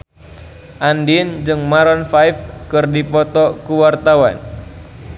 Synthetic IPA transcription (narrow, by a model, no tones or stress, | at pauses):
ʔandind͡ʒɨŋmaɾɔnfajfkɨrdipɔt̪ɔkuwart̪awa̰n